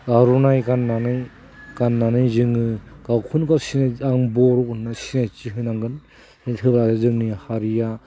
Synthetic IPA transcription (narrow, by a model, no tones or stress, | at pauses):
ɡaɾunajɡanːanɯj | kanːanɯjzɯŋɯɡ̥awkʰunkawsinaaŋbɔɾɔkɯnnasinajt͡ʃiɦɯjnaŋɡɯn | itʰɯbɾazɯzɯŋnihaɾija